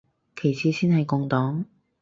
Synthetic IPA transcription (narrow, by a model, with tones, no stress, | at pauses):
kʰe˨˩jt͡sʰiː˨˧siː˥nhɐ˨jkʊ˧ŋt̪ɔː˨˥ŋ